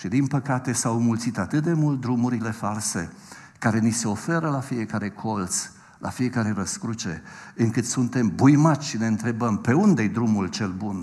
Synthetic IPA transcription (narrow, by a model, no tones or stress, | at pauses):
ʃid̪inpəkat̪e̞sawmult̪sit̪at̪ɨt̪̚d̪e̞mult̪̚d̪ɾumuɾile̞false̞̰ | kaɾe̞nise̞o̞fe̞ɾəlafije̞kaɾe̞kʰo̞lt̪s | la̰fije̞kaɾe̞ɾəskɾut͡ʃe̞ɨŋkɨt̪sunt̪e̞mbujmat̪ʲʃine̞ɨnt̪ɾe̞bəmpe̞und̪ejd̪ɾumult͡ʃe̞lbun